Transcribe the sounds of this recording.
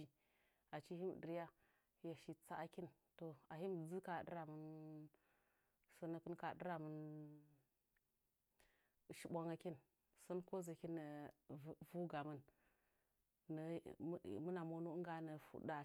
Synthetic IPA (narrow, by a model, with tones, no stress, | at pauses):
i˨ | a˨t͡ʃi˦hi˦m̰˨də˨ɾja˦ | ja˨ʃi˨t͡sa˦a˦ki˦n | to˨a˨ɦi˦m˨d͡zɨ˦ka˨ɗə̰˦ɾa˨mə˦n | sə˦nə˨kɨ˦nka˨ɗə˦ɾa˨mə˦n˨ | ʃi˦ɓʷa˦ŋa˦ki˦n | sə˦nko˦zə˨ki˦nə˨ | vu˦ɡa˨mə˦n | nə˨˦˨ | mə˦na˨mo˦nu˦ŋɡa˨nə˨fṵ˨da˨